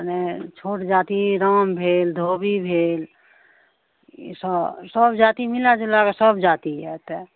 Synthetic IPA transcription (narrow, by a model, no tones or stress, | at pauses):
net͡ʃʰoːʈd͡ʒaːt̪iɾəːmbʱeːld̪ʱobibʱeːl | səsəbd͡ʒaːt̪imilad͡ʒelakesəbd͡ʒaːt̪iɛt̪ɛ